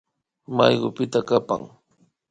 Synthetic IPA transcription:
majɢʊpɪt̪akapa̰ŋ

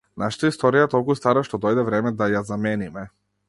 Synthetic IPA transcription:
naʃḁt̪aist̪ɔɾijat̪ɔlˠkust̪aɾaʃt̪ɔd̪ɔjd̪ɛvɾɛmɛd̪ajazamɛnimɛ

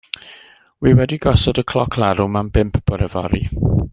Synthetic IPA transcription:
wiwɛdiɡɔsɔdəkʰl̥ˠɔkʰlˠɛɾumambɪmpʰb̥ɔɾɛvɔ̰ɾi

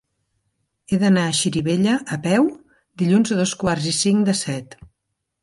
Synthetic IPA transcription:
eðənaəʃiɾiβeʎəʔːpɛw | d̪iʎunzəðoskwarzisiŋd̪əsɛt̪

